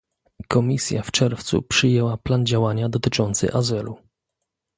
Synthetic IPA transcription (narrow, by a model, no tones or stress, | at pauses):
kɔmʲisʲja̰ft͡ʂɛɾft̪sṵpʂɘjɛwapland͡ʑawaɲad̪ɔt̪ɘt͡ʂɔnt̪sɘ̰ʔazɘlu